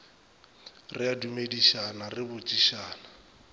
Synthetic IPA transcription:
rɪadumediʃanarɪbʊt͡ʃʼiʃaːna

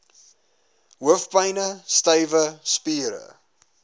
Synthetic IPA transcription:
ɦuəfpɐjnəstɐjvəspiːɾə̰

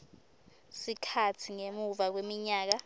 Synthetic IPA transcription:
sikʰat͡sʰiŋemuvak̬wemiɲaːk̬a

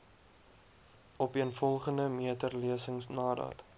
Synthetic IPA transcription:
ɔpiənfɔlˠχəndəmiətərliəsəŋsnɑːdɑ̰ːt

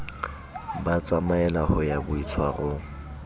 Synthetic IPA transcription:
bat͡sʼamaɛlahɔjabʊit͡sʰwaɣʊ

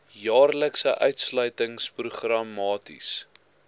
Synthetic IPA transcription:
jɑːrləksəʔœɥtslœɥtəŋspruχrɐmɑːtḭs

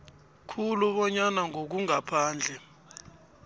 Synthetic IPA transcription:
kʰuluɓɔɲanaŋok̬uŋapʰaːnd͡ɮʱɛ

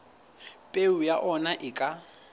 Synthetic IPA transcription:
pʼeujaʔɔnaʔɪkʼa

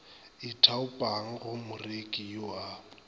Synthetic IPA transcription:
ɪtʰaʊpʼaŋ̩ɣʊmʊrekʼijɔa

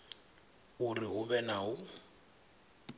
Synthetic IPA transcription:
uriɦʊβɛnaɦʊ

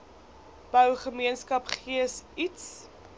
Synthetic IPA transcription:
b̥œwχəmiənskɐpχiəsits

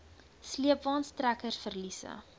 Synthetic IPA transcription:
sliəpvɑːnstrækərsfərlisə̰

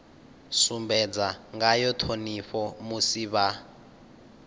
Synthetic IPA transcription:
sumbɛd͡zaŋɡajɔt̪ʰoniɸɔmusiβa

